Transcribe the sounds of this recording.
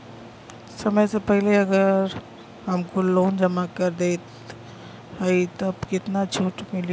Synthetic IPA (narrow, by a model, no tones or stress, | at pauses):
sɐməjsepɛɦleɐɡəɾ | ɦɐmkoloːnd͡ʒəmakəɾd̪eːt̪ | ɦəit̪obkɪt̪nat͡ʃʰuːʈmɪl